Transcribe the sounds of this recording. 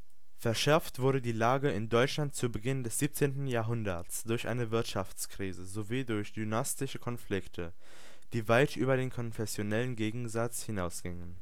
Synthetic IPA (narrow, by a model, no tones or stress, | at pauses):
fɛɐʃɛɐftv̥ʊɐɾədiːlaːɡəɪndɔʏt͡ʃlant̚t͡subəɡɪndɛsz̥iːp̚t͡seːntn̩jaːɐɦʊndɐt͡sd̥ʊɐçʔa̰ɪnəvɪɐtʃaft͡skʁ̥iːzəzoviːdʊɐçd̥ynastɪʃəkʰɔnflɪktʰə | d̥iːvaɪtʔyːbɐɾeːnkʰɔnfɛsjonɛlənɡeːɡŋ̩zat͡shɪnaʊsɡ̥ɪŋən